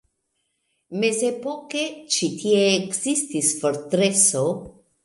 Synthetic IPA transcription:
mezepoket͡ʃit̪ʰieːkzist̪isfoɾt̪ɾeso

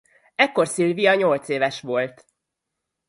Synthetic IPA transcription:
ɛkːo̞rsilvijɒɲo̞lt̪seːvɛʃʋo̞lt̪

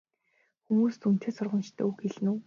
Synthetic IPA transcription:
xumuːst̪ʰun̥t̪eːsʊrʁə̆nt͡ɕt̪ʰo̰ːuxeɮnuː

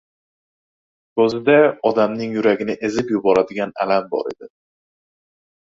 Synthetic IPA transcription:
kɵzɪd̪aɒd̪amnɪŋjʊɾaɡʲɪnɪʔezɪpjʊbɒɾad̪ɪɡʲana̰lambɒ̰ɾe̞̰d̪ɪ

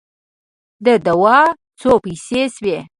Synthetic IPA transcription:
d̪əd̪awɑ | t͡sopijseswe

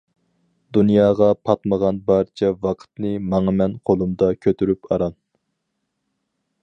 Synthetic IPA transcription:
d̪unjɑːʁɑpʰɑt̪məʁɑnbɑɾt͡ʃʰɛvɑqʰə̥t̪nɨmɑŋɨmɛnqʰolˠumd̪ɑkʲʰøt̪ʰyɾypɑɾɑn

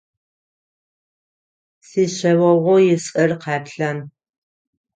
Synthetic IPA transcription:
siːɕɐwɐʁʷʊjɪsʼɐrqɑːpɬɐn

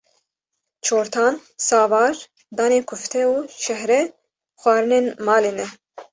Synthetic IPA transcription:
t͡ʃʰoːɾt̪ʰɑːnsɑːvɑːɾ | d̪ɑːneːkʰʊft̪ʰɛuːʃɛɦɾɛ | xʷɑːɾɨneːnmɑːleːnɛ

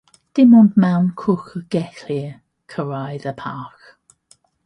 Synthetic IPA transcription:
d̥ɪmɔndmawnkʰʊxəɡ̥ɛθliə | kʰəɹajðəpʰaˑx

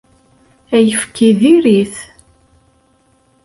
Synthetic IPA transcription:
æjəfkʰiðiɾiθ

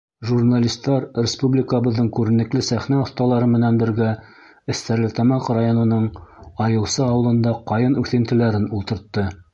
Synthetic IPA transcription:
ʒurnalʲist̪ːɑɾrʲɪspublʲikəβɤ̆ðːɤɴkʉɾɘ̆nɘ̆klɘsæχnæŏθt̪ɑlˠɑɾɤmɘ̆nænbɘ̆ɾɡæ | ɘ̆st̪æɾlɘt̪ɑmɑqrajonɤ̆nɤɴɑjɤ̆w̪sɤɑwɤ̆lˠɤ̆nd̪ɑqɑjɤnʉθɘ̆nt̪ɘ̆læɾɘnulˠt̪ɤ̆ɾt̪ːɤ

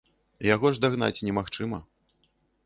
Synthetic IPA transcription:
jaɣɔʐd̪aɣn̪a̰t͡sʲnʲɛmaxt͡ʂɨmɐ

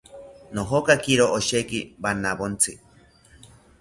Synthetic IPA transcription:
noɦokakiɾoʔoʃekibanaβont͡sʰɨ

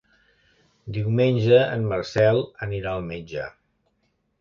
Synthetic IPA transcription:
d̪iwmenʲʒəənmərsɛlˠəniɾaəlˠmed͡ʒə̰

